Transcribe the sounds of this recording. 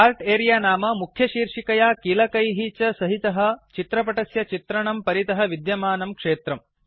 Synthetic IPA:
aːɾʈeːɾijaːnaːmɐmukʰjɐʃiːɾʂikɐjaːkilɐkɐjɦit͡ʃɐsɐɦit̪ɐɦɐ̆t͡ʃit̪ɾɐpɐʈɐsjɐt͡ʃit̪ɾɐɳɐmpɐɾit̪ɐɦɐ̆ʋid̪jɐmaːnɐmkʂeːt̪ɾɐm

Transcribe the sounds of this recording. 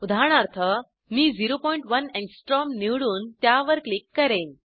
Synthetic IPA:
ud̪ʱaɳ̃aɾt̪ʰə | miːd͡ziɾopɔjɳʈʋənẽksʈɾɔmniʋɽuːnt̪jaʋəɾklikːəɾẽn

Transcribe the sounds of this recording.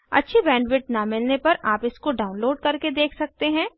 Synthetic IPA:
ɐ̰tːʃʰebɛ̃ːɳɖʋɪʈnamɪlnepɐɾʔaːpɪskoɖaːʊ̃nloːɖ̚kɐɾked̪eːkʰsɐk̚t̪eɦɛ̃ː

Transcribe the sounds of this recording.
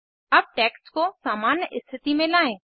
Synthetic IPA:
ɐb̚ʈɛːkskosaːmaːnjʔɪst̪ʰɪt̪imẽlaːẽː

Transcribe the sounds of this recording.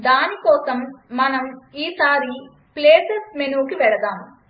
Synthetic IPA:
d̪aːnikɔːsɐmːɐnɐmiːsaːɾi | pleːsesmenuːkiʋɛɭɐd̪aːmu

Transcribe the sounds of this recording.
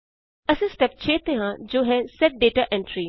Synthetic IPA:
ɐsĩsʈɛp̚t͡ʃʰeːt̪eɦãd͡ʒoːɦɛsɛʈ̚ɖeːʈaːʔɛ̃ɳʈɾi

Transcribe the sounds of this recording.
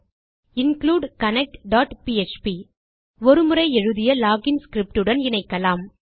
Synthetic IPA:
ɪnkluːɖkɐnɛk̚ʈɖaːʈpiɛt͡ʃpi | ɔɾɯmɯɾɐɪɛɻɯðɪjɐlaːɡɪnskɾɪp̚ʈɯɽɐnɪnɐɪkːɐlaːm

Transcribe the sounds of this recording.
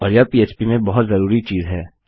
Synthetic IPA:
ɔːɾjapiːeːt͡ʃpimẽbɐɦʊt̪zɐɾuːɾit͡ʃiːzɦɛː

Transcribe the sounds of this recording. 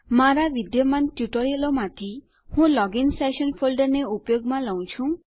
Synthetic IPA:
maɾaʋid̪jəmanʈjuʈoɾijəlomãt̪ʰi | hũlɔɡinsɛʃənfʰolɖəɾneupjoɡmãləũt͡ʃʰũ

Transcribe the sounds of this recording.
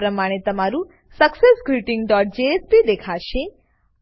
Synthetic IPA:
ɾəmaɽ̃et̪ɐmaɾu | sɐksesɡɾiʈĩŋɡɖɔːʈ̚d͡ʒeespid̪ekʰaʃe

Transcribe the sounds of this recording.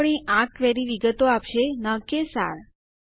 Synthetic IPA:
ɳ̃iʔãkʋɛɾiʋiɡət̪oapʃenəkesa̰ɾ

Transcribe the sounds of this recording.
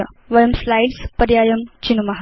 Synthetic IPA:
ɐ̰ | ʋɐjɐmslajɖspɐɾjaːjɐmt͡ɕinumɐɦ

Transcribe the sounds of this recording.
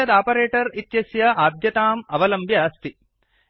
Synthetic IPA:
ɐd̪aːpɐɾeːʈɐɾit̪jɐsjɐaːd̪jɐt̪aːmɐʋɐlɐmbjaːst̪i

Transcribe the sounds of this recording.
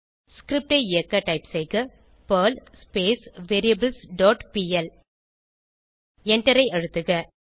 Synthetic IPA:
skɾɪp̚ʈɐɪɪjɐkːɐʈɐɪpsɛɪkɐ | pɐːlspeːsʋeːɾijɐbɪlsɖɔːʈpiːɛl | ɛɳʈɐɾɐɪɐɻɯt̪ːɯɣɐ

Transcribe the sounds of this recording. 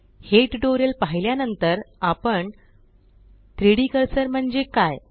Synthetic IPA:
heʈɖoɾelpaɦiljanənt̪əɾapəɳ | t̪ɾeɽikəɾsəɾm̤əɳd͡ʑekaj

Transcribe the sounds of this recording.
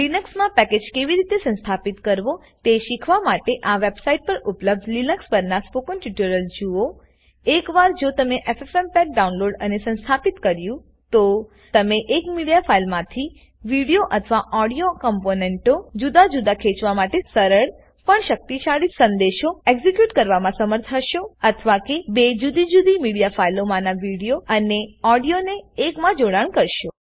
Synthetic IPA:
linəksmãpɛked͡ʒkeʋiɾit̪esə̃ñst̪ʰapit̪kəɾʋo | t̪eʃikʰʋamaʈeʔaʋebsaiʈ̚pəɾupləb̚d̪linəkspəɾnaspokənʈuʈəɾəld͡ʒuo | ekʋaɾd͡ʒot̪əmeʔefefempɛk̚ɖaũnloɖənesə̃nst̪ʰapit̪kəɾjũ | t̪o | t̪əmeʔekmiɽijafʰailmãt̪ʰi | ʋiɽijoʔət̪ʰəʋaʔɔɽijokəmponeɳʈod͡ʒud̪ad͡ʒud̪akʰet͡ʃʋamaʈesəɾəɭ | pəɳʃək̚t̪iʃaɭisə̃nd̪eʃoeɡzikjuʈkəɾʋamãsəməɾt̪ʰəʃoət̪ʰəʋakebed͡ʒud̪ʱid͡ʒud̪imiɽijafʰailomãnaʋiɽijoəneɔɽijoneːkmãd͡ʒoɽaɳ̃kəɾʃo

